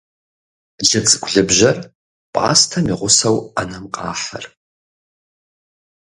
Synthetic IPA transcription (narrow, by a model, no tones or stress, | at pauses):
ɮɐt͡sʼɨɡʷʼɮɨbʒɐr | pʼʔa̰ːstʰɐmiʁʷʊsɐwɐnɐmqʼɑ̰ːħɐ̰r